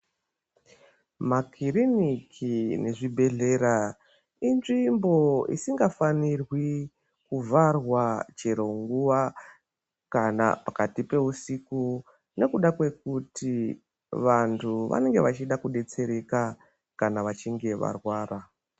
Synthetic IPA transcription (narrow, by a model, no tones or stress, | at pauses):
makʰiɾinikʰine̞ʐibʱe̞ɮe̞ɾa | inʐimbo̞ḭsiŋɡafanirwi | kuvarwat͡ʃe̞ɾo̞ŋɡuʋa | kana̰pakatipe̞usiku | ne̞kuɗakwe̞kutʰi | ʋantʰuʋa̰ne̞ŋɡe̞ʋat͡ʃiɗakuɗe̞t͡se̞ɾe̞ka | kanaʋat͡ʃiŋɡe̞ʋa̰rwaːra